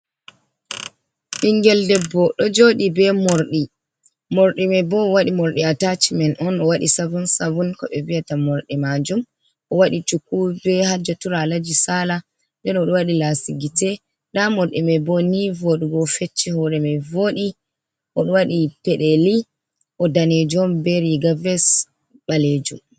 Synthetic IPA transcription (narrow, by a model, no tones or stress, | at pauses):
ɗiŋɡɛldɛbːɔɗɔd͡ʒoɗibɛmoɾɗi | mɔɾɗimɛbɔwaɗimɔɾɗiatat͡ʃimɛnʔɔnɔwaɗḭsavunsavunkɔɓɛviatamɔɾɗimad͡ʒum | ʔɔwaɗit͡ʃukːubɛhad͡ʒɔtuɾalad͡ʒisala | ndɛnɔɗɔwaɗilasiɡitɛ | ɗamɔɾɗimɛbɔnivoɗuɡɔfet͡ʃːihɔɾɛmɛvoːɗi | ʔɔɗɔwaɗipɛɗɛli | ʔɔdanɛd͡ʒɔmbɛɾiɡavɛs | ɓaled͡ʒṵm